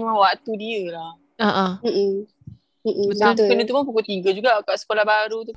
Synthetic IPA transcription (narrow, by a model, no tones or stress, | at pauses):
mawat̪udiəlah | aʔam̩ʔ̩ | m̩ʔm̩akənət̪upʊnp̬ukut̪iɡad͡ʒuɡaːkaʔsə̥kolahbaɾut̪up